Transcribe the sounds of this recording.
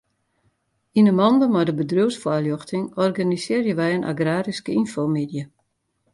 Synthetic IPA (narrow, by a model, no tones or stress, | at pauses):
inəmɔndəmɔdəbədruwsfwaljɔxtɪŋɔrɡanisɪːrjəʋɛjənʔa̰ɡraːɾiskəinfomedjə